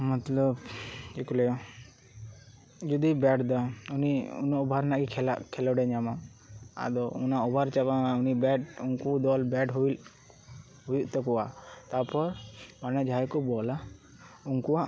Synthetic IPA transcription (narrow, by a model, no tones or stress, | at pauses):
mɔt̪lɔbd͡ʒɛkulɛ | d͡ʒɔd̪ibɛʈd̪ɔuniṵnɔɔbʱaɾnaʔɡikʰɛla̰kʰɛlɔɖɛɲama | a̰d̪ɔunaɔbʱaɾt͡ʃabamaunibɛɖuŋkud̪ɔlbɛɖɦuil | ɦujuʔt̪ɔkɔwat̪apɔɾmanɛd͡ʒaɛkubɔla | uŋkuwaʔ